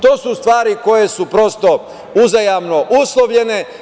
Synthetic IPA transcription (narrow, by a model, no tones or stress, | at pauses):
t̪o̞ːsust̪ʋaːɾiko̞je̞supɾo̞st̪o̞ | uzajamnoʔuslˠoʋʎe̞ne̞